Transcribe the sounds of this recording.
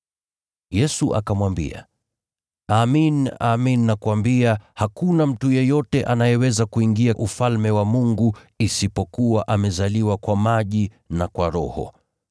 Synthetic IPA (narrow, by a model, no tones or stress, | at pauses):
jɛsuʔa̰kamwambḭa̰ | aːminaːmininakuwambiahakunam̩tujɛjɔtɛʔanajɛwɛzakuiŋɡiaʔufalmɛwamuŋɡu | isipɔkuwaʔamɛzaliwakwamaʄi | nakwaɾɔhɔ̰